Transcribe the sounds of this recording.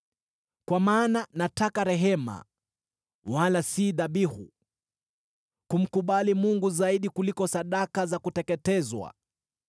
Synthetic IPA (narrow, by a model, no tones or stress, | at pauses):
kwamaːnanatakaɾɛɦɛma̰ | walasiðaɓihṵ | kum̩kuɓalimuŋɡuzaiɗikulikɔsaɗakazakutɛkɛtɛzwa̰